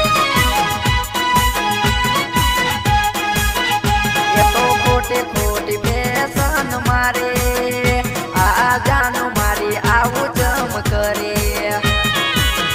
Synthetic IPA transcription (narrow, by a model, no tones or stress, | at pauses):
d͡ʒeʈokʰoːʈekʰoʈimesənmaːɾe | ad͡ʒaːnumaːɾiaʋut͡ʃəmkəɾe